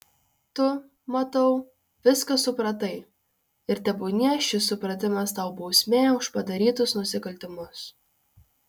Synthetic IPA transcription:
t̪ʊ | mɐt̪ɐʊ | ʋʲɪskɐsʊpɾɐt̪ɐɪ | ɪɾt̪ʲɛbʊːnʲiʃʲɪsːʊpɾɐt̪ʲɪmɐst̪ɐʊbɒʊsʲmʲeːʊʃpɐd̪ɐɾʲiːt̪ʊsnʊsʲɪkɐlʲt̪ʲɪmʊs

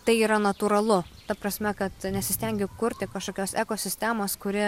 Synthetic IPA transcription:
t̪ɐɪiːɾɐnɐt̪uɾɐlˠʊt̪ɐpɾɐsʲmʲɛkɐt̪nʲɛsʲɪsʲt̪ʲɛŋʲɡʲɪkʊɾʲt̪ʲɪkɐʃkoːkʲoːsɛkoːsʲɪsʲt̪ʲæːmoːskʊɾʲɪ

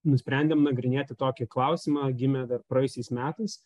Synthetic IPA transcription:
nʊsʲpʲɾʲɛnʲd̪ʲɛmnɐɡɾʲɪnʲeːt̪ʲɪt̪oːkʲɪklˠɐʊsʲɪmɑːɡʲɪmʲɛːd̪ɐrpɾɐjʊsʲɛɪsmʲæːt̪ɐɪs

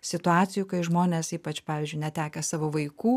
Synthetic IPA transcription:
sʲɪt̪ʊɑːt̪sʲɪjukɐɪʒmoːnʲeːsiːpɐt͡ʃpɑːʋʲɪːzʲd͡ʒʲʊɪnʲɛt̪ʲæːkʲɛsɑːʋoːʋɐɪkuː

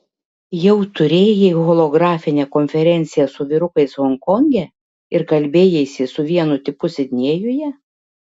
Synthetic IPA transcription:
jɛʊt̪ʊɾʲeːjɛiɣɔlˠoɡɾɑːfʲɪnʲɛkɔnʲfʲɛɾʲɛnʲt̪sʲɪjɛsʊʋʲɪɾʊkɐɪshɔŋkɔŋʲɡʲɛ | ɪɾkɐlʲbʲeːjɛsʲɪsʊʋʲiɛnʊt̪ʲɪpʊsʲɪd̪ʲnʲiːjʊjɛ

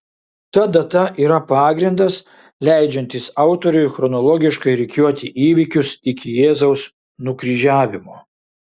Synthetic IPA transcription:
t̪ɐd̪ɐt̪ɐʔiːɾɐpɑːɡɾʲɪnd̪ɐs | lʲæɪd͡ʒʲɛnʲt̪ʲɪsɑˑʊt̪ɔɾʲʊɪxɾɔnɔlˠɔɡʲɪʃkɐɪɾʲɪkʲuɔt̪ʲɪʔiːʋʲɪkʲʊsɪkʲɪjeːzɐʊs | nʊkɾʲiːʒʲæːʋʲɪmoː

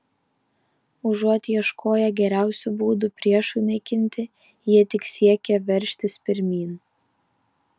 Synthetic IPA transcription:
ʊʒuɔt̪ʲjiɛʃkʰoːjɛɡʲɛɾʲæˑʊsʲʊbuːd̪ʊpʲɾʲiɛʃunɐɪkʲɪnʲt̪ʲɪ | jiɛt̪ʲɪksʲiɛkʲɛʋʲɛɾʲʃʲt̪ʲɪspʲɪɾʲmʲiːn

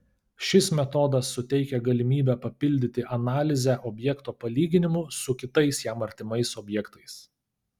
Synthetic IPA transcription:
ʃʲɪsmʲɛt̪ɔːd̪ɐsːʊt̪ʲɛɪkʲɛɡɐlʲɪmʲiːbʲɛpɐpʲɪlʲd̪ʲɪt̪ʲɪʔɐnɑːlʲɪzʲɛʔɔbʲjɛkt̪oːpɐlʲiːɡʲɪnʲɪmʊsʊkʲɪt̪ɐɪsjæːmɐɾʲt̪ʲɪmɐɪsɔbʲjɛkt̪ɐɪs

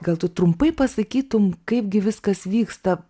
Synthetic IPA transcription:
ɡɐlˠt̪ʊt̪ɾʊmpɐɪpɐsɐkʲiːt̪ʊmkɐɪpɡʲɪʋʲɪskɐsʋʲiːkst̪ɐ

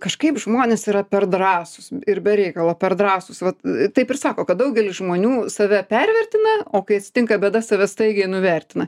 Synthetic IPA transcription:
kɐʃkɐɪpʒmoːnʲesiːɾɐpʲɛrd̪rɑːsʊsɪɾbʲɛɾʲɛɪkɐlˠɐpʲɛrd̪rɑːsʊsʋɐt̪t̪ɐɪpɪrsɑːkoːkɐt̪̚d̪ɐʊɡʲɛlʲɪsʒmoːnʲuːsɐʋʲɛpʲɛɾʲʋʲɛrʲt̪ʲɪnɐoːkɐɪɐt̪ʲsʲɪ̥t̪ʲɪŋkɐbʲɛːd̪ɐsɐʋʲɛst̪ɐɪɡʲɛɪnʊʋʲɛɾʲt̪ʲɪnɐ

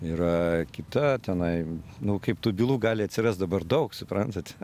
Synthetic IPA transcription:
iɾɐkʲɪt̪ɐt̪ʲɛnɐɪnʊkɐɪpt̪uːbʲilˠuːɡɑːlʲɪɐt̪ʲsʲɪrɐst̪̚d̪ɐbɐrd̪ɐʊksʊpɾɐnt̪ɐt̪ʲ

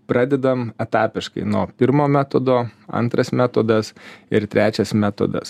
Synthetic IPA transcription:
pɾɑːd̪ʲɛd̪ɐmɛt̪ɑːpʲɪʃkɐ̰ɪnoːpʲɪɾmoːmʲæːt̪od̪oːɐ̰nt̪ɾɐsmʲæːt̪oːd̪ɐsɪɾt̪ʲɾʲæːt͡ʃʲɛsmʲæːt̪o̰d̪ɐ̰s

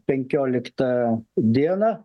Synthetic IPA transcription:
pʲɛŋʲkʲoːlʲɪkt̪ɐd̪ʲiɛnɐ

